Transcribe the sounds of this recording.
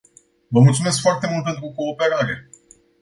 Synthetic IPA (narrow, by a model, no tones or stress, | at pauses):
vəmult̪sume̞s̬kfoart̪e̞mult̪̚pent̪ɾuko̞ːpe̞ɾaɾe̞̰